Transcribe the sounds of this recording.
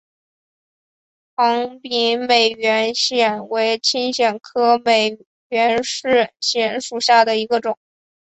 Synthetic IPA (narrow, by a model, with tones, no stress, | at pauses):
xɑ˧˥ŋpi˧˥nme˨˩ɪɥɛ˧˥nɕjɛ˨˩nwe˧˥ɪt͡ɕʰi˥nɕjɛ˨˩nkʰɤ˥me˨˩ɪ | ɥɛ˧˥nʂɻ̩˥˩ɕjɛ˧˩nʂu˨˩ɕja˥˩d̪ə˩i˧˥ɡə˧ʈ͡ʂʊ˨˩˦ŋ